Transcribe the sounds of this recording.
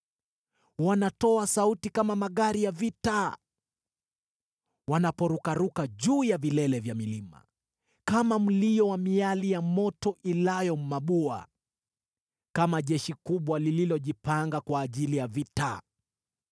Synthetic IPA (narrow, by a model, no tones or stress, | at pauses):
wanatɔasautikamamaɠaɾijavita | wanapɔɾukaɾukaʄuːjavilɛlɛvjamilima̰ | kamam̩lijɔwamialijamɔtɔʔilajɔm̩maɓua̰ | kamaʄɛʃikuɓwalililɔʄipaŋɡakwaːʄilijavita